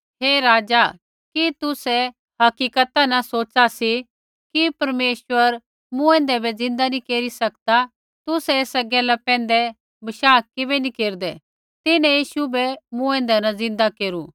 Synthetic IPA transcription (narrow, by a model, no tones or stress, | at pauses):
ɦeːɾaːd͡ʒa | kit̪ʊsɛ | hɐkiːkət̪anɐsoːt͡ʃasi | kipɐɾmeːʃwəɾ | mũɛ̃ːnd̪ɛbɛzɪ̃nd̪anĩkeːɾisɐkd̪a | t̪ʊsɛeːsɐɡɛlapɛ̃ːnd̪ɛ | bɐʃaːkkɪbɛnĩkeːɾd̪ɛ | t̪ɪnɛ̃jiːʃubɛmũɛ̃ːnd̪ɛnɐzɪ̃nd̪akeːɾuː